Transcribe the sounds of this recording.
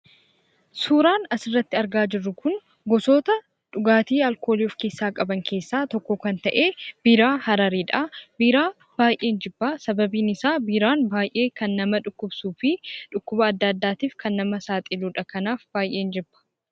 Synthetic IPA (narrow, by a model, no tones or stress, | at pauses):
suːɾaːnɐsɪrːɐt̪ːɪɐɾɡaːd͡ʒɪrːʊkʊŋ | ɡɔsoːt̪ɐ | ᶑʊɡaːt̪iːɐlko̞ːliɔfke̞ːsːaːkʼɐbɐŋkʰe̞ːsːaːt̪ɔkːɔkɐnt̪ɐʔe̞ːb̥iːɾaːhɐɾɐɾiːᶑabiːɾaː | b̥aːjʔe̞ːnd͡ʒɪbːaːsɐbɐbiːnɪsaːbiːɾaːnbaːjʔe̞ːkɐnːɐmɐᶑʊkːʊbsuːfɪᶑʊkːʊbɐːd̪ːɐːd̪ːaːt̪iːfkɐnːɐmɐsaːt̪ʼɪluːᶑɐkɐnaːfbaːjʔe̞ːnd͡ʒɪbːɐ̥